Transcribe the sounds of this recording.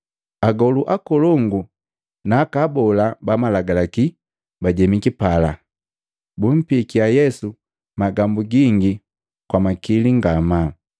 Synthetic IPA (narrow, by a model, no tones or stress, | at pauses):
aɡɔluʔakɔlɔŋɡu | naːkabɔlabamalaɡalaki | baɟɛmikipala | bum̩pikiajɛsu | maɡambuɡiŋɡi | kwamakiliŋɡama